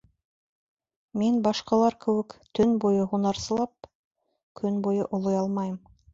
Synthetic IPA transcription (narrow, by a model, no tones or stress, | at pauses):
minbɑʃqɑlˠɑɾkɘ̆wɘkt̪ɵnbujɤɦunɑɾsɤ̆lˠɑp̚ | kʰɵnbujɤʔŏlˠojɑlˠmɑjɤm